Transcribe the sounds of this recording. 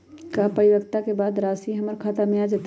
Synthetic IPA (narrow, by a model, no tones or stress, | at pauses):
kapəɽɪwəkt̪akebaːd̪ɾaːsiɦɐməɾkʰaːt̪amẽaːd͡ʒat̪